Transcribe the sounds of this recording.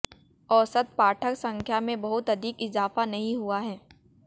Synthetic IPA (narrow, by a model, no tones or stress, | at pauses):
ɔːsət̪̚paːʈʰəksɐ̃ŋkʰjamẽbɐɦʊt̪ɐd̪ʱikɪzaːfanɐɦĩɦuaɦɛː